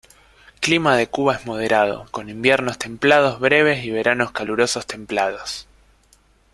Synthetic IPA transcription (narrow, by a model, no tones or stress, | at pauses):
klimaðe̞kuβaezmo̞ð̞eɾað̞o̞̰ko̞nimbjeɾno̞st̪e̞mplað̞o̞zβɾeβ̞e̞siβe̞ɾano̞skaluɾo̞sost̪e̞mplað̞os